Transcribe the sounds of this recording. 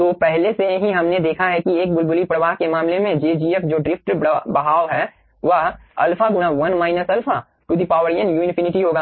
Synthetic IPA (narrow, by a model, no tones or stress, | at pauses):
t̪opɛɦlesejɦĩɦɐmned̪eːkʰaɦɛkieːk̚bʊlbʊlipɾəʋaːɦkemaːmlemẽd͡ʒeːd͡ʒiːəkd͡ʒoːɖɾɪpʰʈɾbɐɦaːɦɛː | ʋəɦɐ̰lpʰaɡʊɽ̃aʋɐnmaːɪnəsɐlpʰa | kʊd̪ipaːʋəɾijənjuːɪnɪpʰɪnɪʈiɦoːɡaː